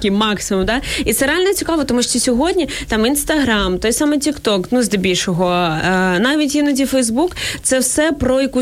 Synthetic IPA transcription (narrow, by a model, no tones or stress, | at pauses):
kʲimɑksɪmʊmd̪ɑit̪sɛɾealʲnɛt͡sʲikɑʋɔt̪ɔmuʃt͡ʃɔsʲɔɦɔdʲnʲit̪ɑminst̪ɐɦɾɑmt̪ɔjsɑmɛtʲikt̪ɔknuzd̪ebʲilʲʃɔɦɔnɑʋʲitʲinɔdʲifɛjzbukt̪sɛwsɛpɾɔjɐku